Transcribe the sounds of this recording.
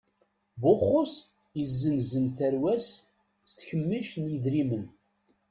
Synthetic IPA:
bʊχʊs | əzːənzənθæɾwæs | st̪çəmːiʃnjiðɾimən

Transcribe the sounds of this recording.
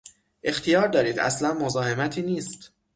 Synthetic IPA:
ʔe̞xt̪ʰijɒːɾd̪ɒːɾiːd̪æ̰slænmo̞zɒːɦe̞mæt̪ʰiːniːst̪

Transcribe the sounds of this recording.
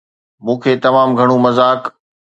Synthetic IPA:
mũːkʰeːt̪ɐmaːmɡʱɐɽ̃ũmɐzaːk

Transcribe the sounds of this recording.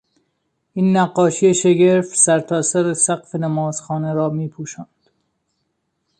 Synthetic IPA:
iːnːæɡːɒːʃijeʃeɡeɾfsæɾt̪ʰɒːsæɾesæqfenæmɒːz̥xɒːneɾɒːmiːpʰuːʃɑːnd̪̥

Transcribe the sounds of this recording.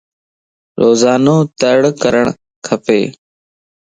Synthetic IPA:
ɾoːzaːnõːt̪əɽkəɾəɳ̃ | kʰəpḛː

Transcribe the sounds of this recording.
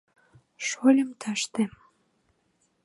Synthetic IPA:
ʃolʲəmt̪ʰɑʃt̪em

